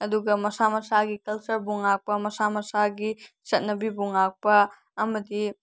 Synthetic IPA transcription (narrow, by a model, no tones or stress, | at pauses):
ɐduɡɐmɐsamɐsaɡikɐlt͡ʃɐɾbuŋak̚pɐmɐsamɐsaɡi | sɐt̚nɐbibuŋak̚pɐː | mɐdi